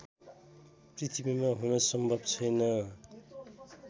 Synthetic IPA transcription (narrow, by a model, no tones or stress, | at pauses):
prit̪ʰibimaɦunʌsʌmbʱʌbt͡sʰʌjnʌ